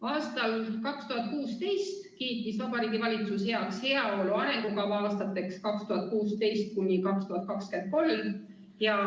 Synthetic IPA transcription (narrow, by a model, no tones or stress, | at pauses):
ɑːst̪ɑlkɑkst̪uɦɑt̪̚ˑkuːst̪e̞jst̪kiːt̪ːisvɑb̥ɑɾiːɡivɑlʲit̪sushe̞ɑkshe̞ɑo̞luɑɾe̞ŋɡ̥ukɑvɑːst̪ɑt̪ːˑe̞kskɑkst̪uɦɑt̪̚kuːst̪e̞jst̪̚kunʲːikɑkst̪uhɑt̪̚ˑkɑkske̞nd̪̚ko̞lm | jɑ